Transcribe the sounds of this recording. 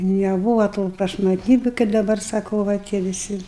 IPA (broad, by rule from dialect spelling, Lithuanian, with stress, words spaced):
nʲɛˈbuːʋɐ tuː prɐʃmɐtʲˈnʲiːbʲʊ kɐɪp dɐˈbɐr sɐˈkɐʊ ʋɐ ˈtʲiɛ ʋʲɪˈsʲɪ